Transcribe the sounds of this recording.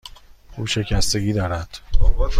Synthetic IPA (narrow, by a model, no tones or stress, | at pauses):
ʔuːʃe̞cʰæst̪e̞ɟiːd̪ɒːɾæd̪̥